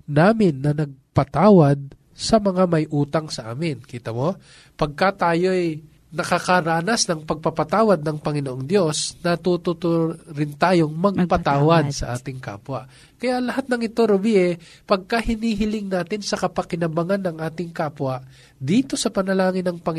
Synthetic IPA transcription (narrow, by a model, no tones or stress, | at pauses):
naːmɪnːɐnɐɡ̚pɐt̪aːwɐd̪̚ | sɐmɐŋamɐjʔuːt̪ɐŋsɐʔa̰ːmɪnkiːt̪ɐmo̞ | pɐɡ̚kat̪aːjo̞ʔɐj | nɐkɐkɐɾaːnɐsnɐŋpɐɡ̚pɐpɐt̪aːwɐd̪̚nɐŋpɐŋɪnoʔoŋd̪jo̞snɐt̪ut̪ʊt̪oɾɪnt̪aːjoŋmɐɡpɐt̪aːwɐd̪̚sɐʔaːt̪ɪŋka̰ːpwɐʔ | kɐjalɐɦat̪̚nɐŋɪt̪o̞ɾobiʔɛ | pɐɡ̚kɐhɪniːɦɪlɪŋnaːt̪ɪnsɐkɐpɐkɪnɐbɐŋanːɐŋʔaːt̪ɪŋkaːpwɐʔ | d̪iːt̪o̞sɐpɐnɐlaːŋɪnɐŋpɐŋ